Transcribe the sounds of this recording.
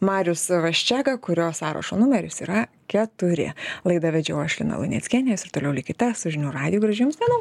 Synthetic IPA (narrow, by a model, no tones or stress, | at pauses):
mɑːɾʲʊsʋɐʃʲt͡ʃʲæːɡɐkʊɾʲoːsɑːɾɐ̰ʃoːnʊmʲɛɾʲʊsiːɾɐ | kʲɛt̪ʊɾʲɪ̰lˠɐɪd̪ɑʋʲɛd͡ʒʲɛʊɐʃʲlʲɪ̰nɐ̰lˠʊ̰nʲiɛ̰sʲkʲiːnʲɪjosɪɾt̪oːlʲɛʊlʲɪkʲɪt̪ʲɛsʊʒʲɪnʲuːɾɑːd̪ʲɪjuːɡɾɐʒʲɪjʊmsʲt̪ʲɛnɐʊ